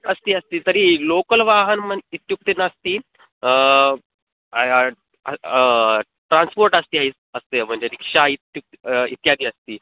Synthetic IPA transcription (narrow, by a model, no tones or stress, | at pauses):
əst̪iːəst̪iːt̪əɾiːlokəlʋaɦənməit̪juk̚t̪inəst̪iː | ʈɾãnspoɾʈəst̪iːait͡s | əst̪em̤əɳd͡ʑeɾikʂait̪juk̚t̪it̪jad̪iːəst̪iː